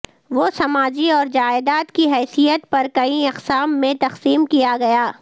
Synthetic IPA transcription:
ʋoːsɐmaːd͡ʒiɔːɾd͡ʒaːɪd̪aːt̪kiɦɛːsijət̪̚pɐɾkɐiɐqsaːmːẽt̪ɐqsiːmkijaɡɐjaː

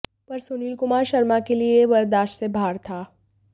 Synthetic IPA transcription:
pɐɾsoːniːlkʊmaːɾʃɐɾmakelieʋɐɾd̪aːʃsebʱaːɾt̪ʰaː

